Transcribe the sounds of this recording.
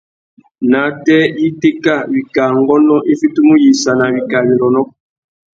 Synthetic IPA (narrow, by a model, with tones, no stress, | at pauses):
na˨˦tɛ˦i˦te˦ka˦˨bi˨ka˨ŋɡɔ˦nɔ˦ʔi˦fi˦tu˦mu˦ji˨sa˨na˨bi˨ka˨ni˨ɾɔ˨nɔ˦